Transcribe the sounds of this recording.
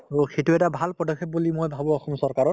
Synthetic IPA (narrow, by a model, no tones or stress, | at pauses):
ɹoxejtuɛtabʱalpɹɔdɔkʰːep̚bulimojbʱabʊ̃ɔxɔmsɔɹkaɹɔt